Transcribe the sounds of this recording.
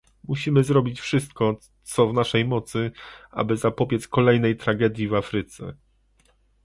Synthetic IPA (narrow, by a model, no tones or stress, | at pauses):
muɕimɘzɾɔbʲit͡ɕfʂɘst̪̚kɔ | t̪sɔvnaʂɛjmɔt̪sɘʔa̰bɘzapɔbʲjɛt̪skɔlɛjnɛjt̪ɾaɡɛd̪ʲjivafɾɘt̪sɛ̰